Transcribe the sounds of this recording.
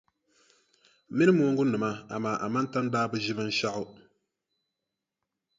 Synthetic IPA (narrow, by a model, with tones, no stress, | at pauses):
mɪ˦nɨ˦moː˦ŋɡʊ˦nɨ˨ma˦a̰˨maː˨ʔa˨ma˦n˦ta˦n˦daː˦bɨ˦ʒɪ˦bɨ˦n̩˦ʃa˦ʔʊ˦